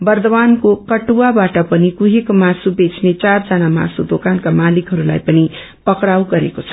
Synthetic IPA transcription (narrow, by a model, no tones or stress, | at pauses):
bʌrd̪ʌbankokʌʈuwabaʈʌpʌnikuɦekomasubet͡sʰnet͡sard͡zʌnama̰sud̪okankamalikɦʌɾulajpʌni | pʌkɽawɡʌɾekot͡sʰʌ̥